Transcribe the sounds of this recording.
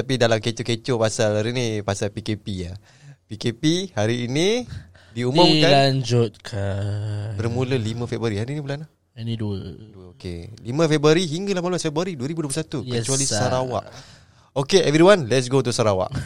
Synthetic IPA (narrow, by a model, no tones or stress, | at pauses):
t̪apidalamket͡ʃoket͡ʃopasalhaɾinipasalpikepia | pikepihaɾiːni | diumʊmkalaɲd͡ʒʊt̪̚kʰa | bərmũləlimãfɛbəɾiɦaɾiːnibəlana | aniduəduəokḛlimə̃fɛbəɾiɦiŋɡalahmaluasfɛbaɾiduəɾibudoəplusat̪ukət͡ʃualisaɾawa̰ʔ | okeʔɛvɾiwanlɛtsɡot̪usaɾawa̰ʔ